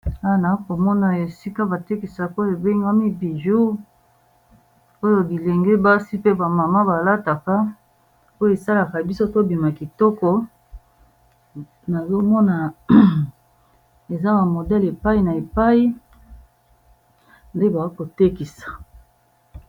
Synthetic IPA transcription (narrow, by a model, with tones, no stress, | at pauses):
a˦a˨na˨˦ko˨mɔ˦na˨e˨si˦ka˦ba˨te˦ki˨sa˨ko˦je˨be˦ŋɡa˦mi˦bi˨ʒu˦ | o˦jo˨bi˨le˨ŋɡe˦ba˦si˦pe˦ba˨ma˨ma˦ba˨la˦ta˨ka˦ | o˦jo˦e˨sa˦la˨ka˨bi˦so˦to˦bi˨ma˨ki˨tɔ˦kɔ˦ | na˨zo˦mɔ˦na˨ | e˨za˦ba˨mo˨dɛ˦le˨pa˦i˦na˨e˨pa˦i˦ | nde˦ba˨a˦ko˨te˦ki˨sḁ˨